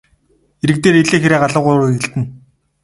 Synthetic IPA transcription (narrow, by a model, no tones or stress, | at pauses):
eɾɘ̆k̚t̪eːɾeɮeːxeɾeːɢaɮə̆ʁʊɾːɣĕɮt̪ɘ̆n